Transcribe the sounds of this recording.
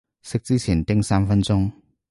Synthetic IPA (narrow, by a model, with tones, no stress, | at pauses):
sə˥k̚t͡si˥t͡ɕʰi˨˩nt̪ɪ˥ŋsa˥nfə˥nt͡sʊ˥ŋ